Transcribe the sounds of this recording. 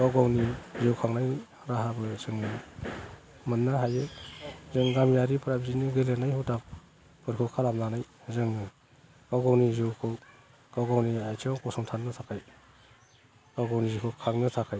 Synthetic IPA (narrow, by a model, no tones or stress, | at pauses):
ɡawɡawnizewkʰaŋnaj | ɾaɦabɯzɯŋɯ | mɯnːaɦajɯzɯŋɡamjaɾipʰɾabziniɡɯlenajhɯwtap̚ | pɯɾkʰɯwkʰalamlanajzɯŋ | ɡ̥awɡawnizɯwkʰɯw | ɡ̥awɡawniajtʰikɔsɔŋtʰannːɯtʰakʰaj | ɡ̥awɡawnizikʰɯwkʰaŋnɯtʰakʰaj